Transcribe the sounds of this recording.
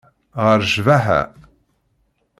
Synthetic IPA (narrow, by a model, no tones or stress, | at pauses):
ʁəɾʒvaħæ̰